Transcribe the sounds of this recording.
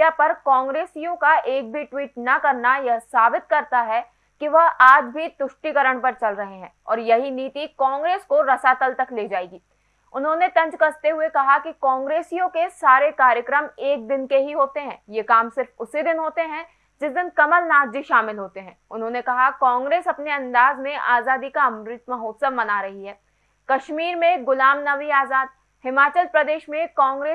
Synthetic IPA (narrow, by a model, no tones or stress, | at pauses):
apɐɾkãːŋɡɾeːsijõkaʔeːk̚bʱiʈwiːʈnɐkɐɾnajasaːbɪt̪̚kɐɾt̪aɦɛ | kiʋɐɦaːd͡ʒbʱit̪ʊʃʈikɐɾəɽ̃pɐɾt͡ʃɐlɾɐɦeɦɛ̃ːɔːɾjɐɦiniːt̪ikãːŋɡɾeːskoɾɐsat̪əlt̪ɐkleːd͡ʒaːeːɡiː | ʊnɦõnet̪ɐ̃ɲd͡ʒkɐst̪eɦʊekɐɦakikãːŋɡɾeːsijõkesaːɾekaːɾjəkɾəmeːk̚d̪ɪnkeɦiɦoːt̪eɦɛ̰̃ːjekaːmsɪɾfʊsid̪ɪnɦoːt̪eɦɛ̃ | d͡ʒɪsd̪ɪnkɐməlnaːd͡ʒiʃaːmɪlɦoːt̪eɦɛ̃ːʊnɦõːnekɐɦakãːŋɡɾeːsɐpneɐ̃nd̪aːzmẽʔaːzaːd̪ikaɐmɾɪt̪mɐɦoːt̪səbmɐnaɾɐɦiɦɛː | kɐʃmiːɾmẽɡʊlaːmnɐʋiaːzaːd̪̚ | hɪmaːt͡ʃəlpɾɐd̪eːʃmẽkãːŋɡɾeː